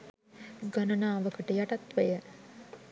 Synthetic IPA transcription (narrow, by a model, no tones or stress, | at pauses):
ɡanənaːʋəkəʈəjaʈat̪ʋəjə